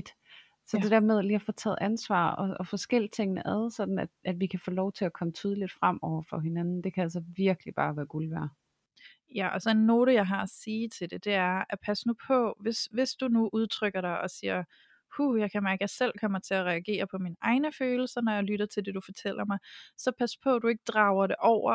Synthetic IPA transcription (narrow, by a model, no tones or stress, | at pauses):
d̥ | sɒ̽d̥e̝d̥æɐ̰með̞ˠliːɒfoːt͡sʰɛ̰ːð̩ˠænsʋɑ̰̈ːɒɒfɒ̽sɡ̥el̰i̥t͡sʰe̝ŋ̰nəʔɛð̞ˠsɒ̽d̥n̩æd̥ʔæd̥ʋikʰæfoːlɒʊt͡sʰe̝ækʰɒ̽mət͡sʰyːð̞ˠəlid̥fʁam̰ɒʊ̰ɐfɒ̽ɦe̝nænn̩d̥e̝kʰæælsɐʋiɐɡ̥əlib̥ɑ̈ːʋæːɐɡ̥ulʋæɐ | jæʔɒ̽sɒ̽enːo̝ːɾəjɑ̈ɪɦɑ̈æsiːt͡sʰe̝ld̥e̝d̥e̝æɐæpʰæsnupʰɒ̽ʋe̝sʋe̝sd̥unuʔuð̞ˠt͡sʰʁœɡ̥ɐɾ̥ɑ̈ɪʔɒ̽siːɐ | hujɑ̈ɪkʰæmæɐɡ̥əjɑɪsel̰kʰɒ̽m̰ɐt͡sʰe̝æʁɛæɡ̥e̝̰ːɐpʰɒ̽minəʔɑ̈ɪnəføːl̩sɐnɒjɑɪlyɾɐt͡sʰe̝ld̥e̝d̥ufɒt͡sʰel̰ɐmɑ̈ɪsɒ̽pʰæspʰɒ̽d̥ue̝ɡ̥əd̥ʁɑ̈ʊɐɾ̥e̝ʔɒʊ̰ɐ